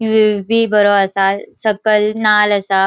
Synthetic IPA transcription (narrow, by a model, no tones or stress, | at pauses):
juebʱibəɾoəsasəkəlnaləsa